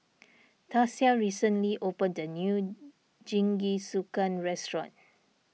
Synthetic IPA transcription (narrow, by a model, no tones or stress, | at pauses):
tʰasiaɹisə̃nliʔopə̃ndənju | d͡ʒĩŋɡisukãnɹɛstɹɔ̰̃n